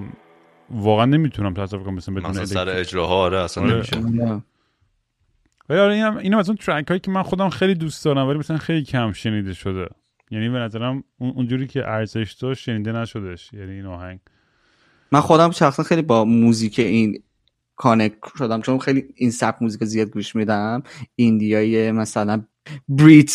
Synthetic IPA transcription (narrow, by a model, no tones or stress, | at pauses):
vɒːɣeænːe̞miːt̪ʰunæmt̪ʰæsɾofkonæmsæmbeuneelesæɾeed͡ʒɾɒːɦɒːɾeæsænɾemʃenæ | væliɒːɾeiːnæmiːnhæmæzunt̪ʰɾækhɒːjiːcʲʰemænxo̞d̪æmxejlid̪ust̪d̪ɒːɾæmvælimæsælænxe̞jliːcʰæmʃe̞niːd̪e̞ʃod̪ḛ | jæniːbenæzæɾæmunund͡ʒuːɾiːcʰḛʔæɾze̞ʃd̪̥ɒʃʃe̞niːd̪enæʃod̪eʃjæniːnɒːhæɲɡ | mænxod̪æmʃæxsænxejlibɒmuzikʰeʔin | kʰonekʃod̪æmt͡ʃʰonxejliinsæp̚muzikʰizijɒːd̪̚ɡuʃmid̪æmind̪ijɒːjemæsælæn | bɾit̪ʰ